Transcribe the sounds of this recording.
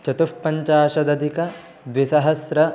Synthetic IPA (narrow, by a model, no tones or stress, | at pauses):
t͡ʃɐt̪ufpːɐɲt͡ʃaːʃɐd̪ɐd̪ʱikɐ | ʋisɐɦɐsɾɐ